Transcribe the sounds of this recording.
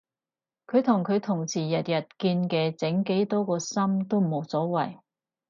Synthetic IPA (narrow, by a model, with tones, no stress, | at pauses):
kʰɵ˨˧ɥt̪ʰʊ˨˩ŋkʰɵ˨˧ɥt̪ʰʊ˨˩ŋsʰiː˨˩jɐ˨t̚jɐ˨t̚kiː˧nkɛː˧t͡sɪ˨˥ŋke˨˥jt̪ɔː˥kɔː˧sɐ˥mt̪o˥wm̩˨˩o˨˧˥wsɔː˨˥wɐ˨˩j